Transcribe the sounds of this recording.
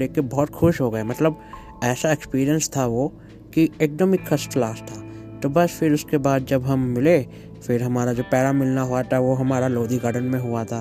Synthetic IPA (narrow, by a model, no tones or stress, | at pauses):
eːkːebɔːt̪xʊʃɦoːɡɐemɐt̪ləb | ɛːsaekspiːɾijə̃nst̪ʰaʋo | kiekɖ̪əmɪkʰːɐsʈlaːst̪ʰaː | t̪obɐsfɪɾʊskebaːd̪̚d͡ʒɐbɦɐmːɪle | fɪɾɦɐmaːɾad͡ʒoːpɛːɾamɪlnaɦuat̪ʰaʋoɦɐmaːɾaloːd̪iɡəɾɖənmẽɦʊat̪ʰaː